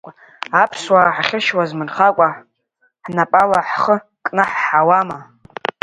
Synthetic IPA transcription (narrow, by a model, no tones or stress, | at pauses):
apʰswaħaχʲɪʃwazmɨrχakʷʼa | ħnapʼalaħχə | kʼnɨħːawama